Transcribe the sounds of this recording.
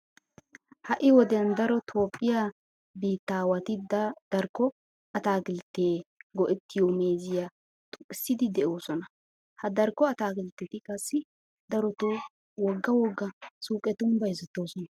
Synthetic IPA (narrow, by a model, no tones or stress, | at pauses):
hɐʔɪwɔd̪ɛnd̪ɐɾɔt̪ʰo̞ːpʼːɪja | biːt̪ːaːwɐt̪ɪd̪ɐd̪̥ɐɾkːɔ | ɐt̪aːɡɪlt̪ːeːɡɔʔɛt̪ːɪjome̞ːzɪja | t̪ʊɪsːɪd̪ɪd̪ɛʔo̞ːsɔnɐ | hɐd̪ɐɾkːɔɐt̪aːɡɪlt̪ːɛt̪ɪkʼɐsːɪ | d̪ɐɾɔt̪o | wɔɡːɐwɔɡːɐsuːkʼɛt̪ʊmbɐjɪzɛt̪ːo̞ːsɔnɐ